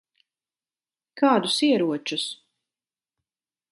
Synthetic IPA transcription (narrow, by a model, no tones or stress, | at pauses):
kaːd̪usiɛɾuɔt͡ʃus